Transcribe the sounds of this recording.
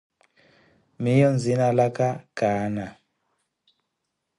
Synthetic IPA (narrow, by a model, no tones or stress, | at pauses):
mijɔnd͡zinalakaɡ̥ʱaːna